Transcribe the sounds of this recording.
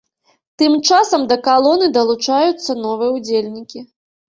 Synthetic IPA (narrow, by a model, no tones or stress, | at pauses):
t̪ɨmt͡ʂasɐmd̪ɐkalˠɔnɨd̪ɐlˠut͡ʂajut̪sːɐnɔvɨjɛud͡zʲelʲnʲikʲi